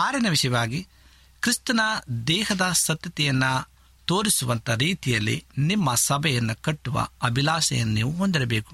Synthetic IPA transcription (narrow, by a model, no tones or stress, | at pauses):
aːɾɛnɐʋiʂɐjɐʋaːɡi | kɾist̪ɐnɐd̪ɛːɦɐd̪ɐsɐt̪ːɐt̪ɛjɐnːɐ | t̪o̞ːɾisuʋɐnt̪ɐɾiːt̪ijɐlːḭnimːɐsɐbʱɐjɐnːukɐʈːuʋɐ̰ɐbʱilaːsɐ̰jɐnːiːʋuɦond̪iɾɐbeːku̥